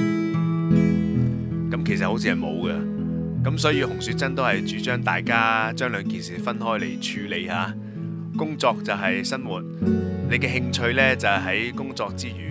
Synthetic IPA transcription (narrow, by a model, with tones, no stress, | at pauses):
kɐ˨˥mkʰe˨˩sɐ˨t̚ho˨˥t͡sʰiː˧hɐ˨jmo̰˨˧wɡɐ˧ | kɐ˨˥msɔː˨˥jiː˧hʊ˨˩ŋsyː˨˧t̚t͡sɐ˥nt̪o˥whɐ˨jt͡ʃyː˨˥t͡ʃœː˥ŋt̪aː˨jkaː˥t͡ʃœː˥ŋlœː˨˧ŋkiː˨nsiː˨fɐ˥nɦɔː˥jlḛ˨˩jt͡ʃʰyː˧le˨˧jhaː˨˥ | kʊ˥ŋt͡sɔː˧k̚t͡sɐ˨wɦɐ˨jsɐ˥nwuː˨t̚ne˨˧jkɛː˧ɦɪ˧ŋt͡ʃʰɵ˧ɥlɛː˥t͡sɐ˨whɦɐ˨˥jkʊ˥ŋt͡sɔː˧k̚t͡siː˥jyː˨˩